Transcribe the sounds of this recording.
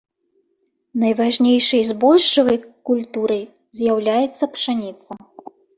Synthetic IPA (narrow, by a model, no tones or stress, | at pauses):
nɐjvaʐnʲejʂɐjzbɔlʂt͡ʂɐvɐjkulʲt̪uɾɐj | zʲjawlʲajɛt̪sːɐpʂanʲit̪sɐ